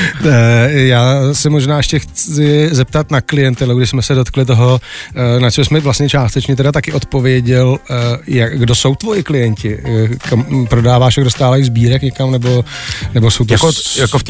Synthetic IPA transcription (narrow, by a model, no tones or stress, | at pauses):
jaːsɛmo̞ʒnaːʔɛʃcɛxt͡sɪzɛp̚t̪at̪naklɪjɛnt̪ɛluɡdɪʃsmɛsɛdo̞t̪klɪt̪o̞ɦo̞nat͡ʃɛmsmɛvlastɲɛt͡ʃaːst̪ɛt͡ʃɲɛt̪ɛdat̪akɪʔo̞t̪po̞vjɛɟɛljakɡdo̞so̞wt̪vo̞jɪklɪjɛɲcɪkampɾo̞daːvaːʃjaɡdost̪aːvajzbiːɾɛkɲɛkamnɛbo̞nɛbo̞so̞wt̪akojakof